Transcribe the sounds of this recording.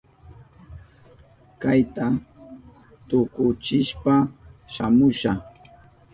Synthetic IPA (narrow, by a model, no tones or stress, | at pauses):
kajt̪a | t̪ʊkʊt͡ʃɪʃpaʃamʊʃa